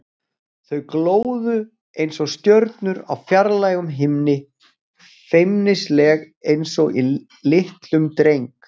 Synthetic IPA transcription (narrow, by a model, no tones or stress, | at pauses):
θœɥkloːwðʏ | ejnsɔɣst̪jœɾt̪nʏɾa̰wfjaɾlaːjɣʏmɦɪmnɪ | fejmnɪslɛːɣ | ejnsɔɣi | lɪht̪lʏmt̪ɾejŋk